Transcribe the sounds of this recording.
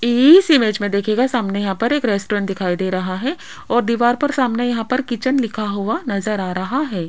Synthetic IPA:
iːsɪmeːd͡ʒmẽd̪eːkʰeːɡasaːmnejɐɦãpɐɾeːkɾɛːsʈoːɾɛ̃ɳʈ̚d̪ɪkʰaːid̪eːɾɐɦaɦɛ | ɔːɾd̪iːʋaːɾpɐɾsaːmnejɐɦãpɐɾkit͡ʃənlɪkʰaɦʊanɐzəɾaːɾɐɦaɦɛː

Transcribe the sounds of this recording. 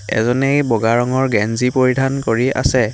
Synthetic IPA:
ɛ̰zɔnejbɔɡaɹɔŋɔɹɡɛnzipoɹidʱankoɹia̰sɛ

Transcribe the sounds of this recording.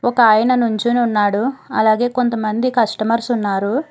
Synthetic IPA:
ɔkɐaːjɐnɐnuɲt͡ʃinunːaːɽuɐ̰laːɡe̞ːko̞nt̪ɐmɐnd̪ikɐʂʈɐmɐɾsunːaːɾu

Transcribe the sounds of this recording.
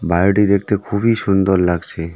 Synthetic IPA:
bajʈid̪ek̚ʰt̪ekʰubiʃund̪oɾlaɡt͡ɕʰe

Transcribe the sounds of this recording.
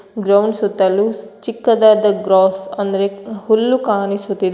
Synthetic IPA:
ɡɾɐwɳɖsut̪ːɐlut͡ʃikːɐd̪aːd̪ɐɡɾɔːsɐnd̪ɐɾehulːukaːnisut̪ːid̪e

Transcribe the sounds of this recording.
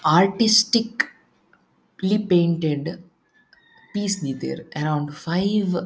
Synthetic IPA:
aːɾʈɪsʈɪk | lipẽːɳʈeɖ | piːsniːd̪ə̰ɾɐɾãʊ̃ɳɖfaɪʋ

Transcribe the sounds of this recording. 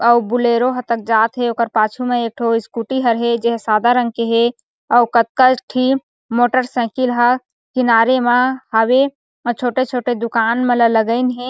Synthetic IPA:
əbuleɾoɦət̪ək̚d͡ʒaːt̪ɦeoːkəɾpaːt͡ʃʰumeeːk̚ʈʰoɪskuʈiɦəɾɦed͡ʒeɦsaːd̪aɾə̃ŋɡ̚keɦe | əukət̪̚kəʈʰi | moːʈəɾsɛ̃ːkilɦə | kɪnaːɾemehawe | t͡ʃʰoːʈet͡ʃʰoːʈed̪ʊkaːnmelələɡəɪnɦẽ

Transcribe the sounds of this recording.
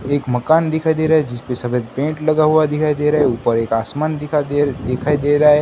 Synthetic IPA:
eːkməkaːnd̪ɪkʰaːid̪eːɾaːɦed͡ʒɪspesɐbet̪pẽːʈlɐɡaɦuad̪ɪkʰaid̪eɾaɦɛuːpəɾeːkaːsmaːnd̪ɪkʰad̪ekʰaid̪eɾae

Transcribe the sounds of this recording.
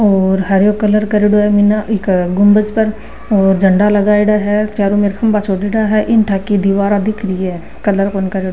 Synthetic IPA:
oːɾɦəɾjoːkələɾkəɾeɽoːɛːminaɪkɡʊmbəzpəɾ | ɔːɾd͡ʒəɳɖaːləɡaːiɽaːɦɛːt͡ʃaːɾuːmɪɾkʰəmbaːt͡ʃʰoːɖeːɽaːɦɛːʔɪnʈʰaːkid̪iʋaːɾaːd̪ɪkʰɾiɛː | kələɾkonkəɾeɖo

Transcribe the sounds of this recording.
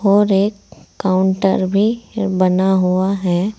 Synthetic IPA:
ɔːɾeːkːaːʊɳʈə̰ɾbʱibɐnaɦuaɦɛː

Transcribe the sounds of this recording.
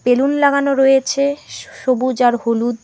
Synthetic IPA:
pelunlaɡanoɾojet͡ɕʰeʃobud͡ʑaɾɦolud̪

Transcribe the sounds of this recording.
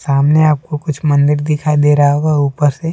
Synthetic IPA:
saːmneaːp̚kokʊt͡ʃʰmɐ̃nd̪ɪɾd̪ɪkʰaid̪eːɾaaɦoːɡauːpəɾse

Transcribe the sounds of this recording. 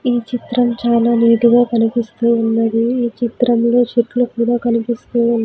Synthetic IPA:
iːt͡ʃit̪ɾɐmt͡ʃaːlaːniːʈuɡaːkɐnipist̪uːunːɐd̪iiːt͡ʃit̪ɾɐmlo̞ːt͡ʃiɾʈlukuːɽaːkɐnipist̪uːunː

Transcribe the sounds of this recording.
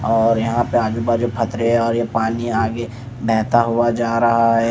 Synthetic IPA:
ɔːɾjɐɦãpeaːd͡ʒubad͡ʒoːpʰɐt̪ɾeɦɛɔːɾjepaːniaːɡe | bʱɛːt̪aɦuad͡ʒaːɾɐɦaɦɛː

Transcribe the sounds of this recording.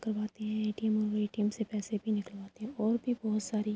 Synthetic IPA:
kəɾwaːt̪eɦɛ̃eːʈiːmɔeiʈiːmsepɛːsebʱinɪkəlʋaːt̪eɦɛ̃ɔːɾbʱibɔːʊt̪saːɾi

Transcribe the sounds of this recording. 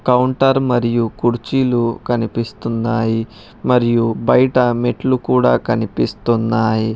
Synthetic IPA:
kɐwɳʈɐɾmɐɾijukuɾt͡ʃilukɐnipist̪unːaːji | mɐɾijubɐjʈɐmeʈlukuːɽaːkɐnipist̪unːaːji

